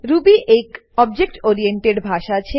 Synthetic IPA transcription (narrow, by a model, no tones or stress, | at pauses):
ɾubiʔek | ɔbd͡ʑek̚ʈoɾieɳʈeɖbʱaʃat͡ɕʰe